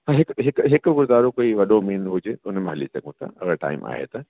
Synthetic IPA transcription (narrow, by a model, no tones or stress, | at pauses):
ãɦɪkɦɪkɦɪkɡʊɾzaːɾõkoːiʋɐɗomeːnɦʊd͡ʑeːʊn̤mẽɦɐlisɐ̰ɡũt̪ʰa̰ɐ̰ɣəɾʈa̰ːɪmʔa̰ːɦḛt̪a